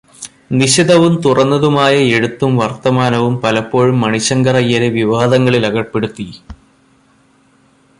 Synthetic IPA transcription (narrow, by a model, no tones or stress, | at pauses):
niɕid̪ɐʋumt̪urɐnːɐðumaːjɐe̞ɻut̪ːumʋɐrt̪ɐmaːnɐʋumpɐlɐpːo̞ːɻumːɐɳiɕɐŋɡɐrɐjɐɾeʋiʋaːd̪ɐŋːɐɭilɐɣɐpːe̞ɽut̪ːi